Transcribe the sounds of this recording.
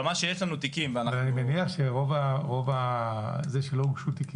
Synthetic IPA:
maʃejeʃlanut̪ikimveanavalanimeniaχʃeʁo̞vaʁo̞vazeʃeloɡʃut̪iki

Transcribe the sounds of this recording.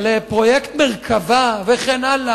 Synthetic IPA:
lepʁojekt̪meʁkʰavaveχenala

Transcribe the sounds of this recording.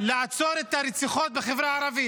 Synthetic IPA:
laʕat͡soɾet̪aɾet͡siχot̪̚beχevɾaaɾavi

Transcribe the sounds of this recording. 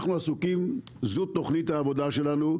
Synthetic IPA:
χnuasukimzut̪o̞χnit̪haːvo̞d̪aʃelanu

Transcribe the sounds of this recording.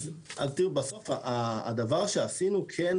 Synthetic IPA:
a̰lt̪ibaso̞faʔa̰ːd̪avaʁʃeasinukʰen

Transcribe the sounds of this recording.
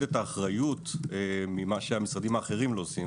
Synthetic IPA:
etaːχʁajut̪emimaʃeamisʁad̪imaːχe̞ʁimlo̞ːsim

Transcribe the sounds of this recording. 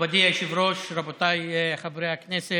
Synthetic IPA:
bad̪iajʃivɾoʃɾabot̪ajχabɾejaknese

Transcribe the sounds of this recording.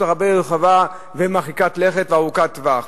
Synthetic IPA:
aʁabeʁχava | vemaχikat̪leχet̪veaʁukat̪vaχ

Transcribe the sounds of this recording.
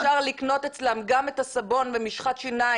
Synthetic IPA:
aʁlikno̞tet͡slamɡametasabo̞nvemiʃχat̪ʃina

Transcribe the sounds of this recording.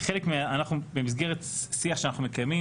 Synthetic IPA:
χelekmeaanaχnubemis̬ɡeʁet̪siaχʃeanaχnumekajmi

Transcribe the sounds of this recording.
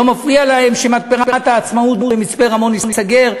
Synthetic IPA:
omafʁialahemʃemat̪̚peʁpeat̪aːt͡smaut̪muemit͡speʁamo̞ninisaɡe̞ʁ

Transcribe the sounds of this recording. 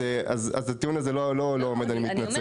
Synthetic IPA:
ea̰za̰zat̪iunazelolo̞loomed̪animit̪nat͡se

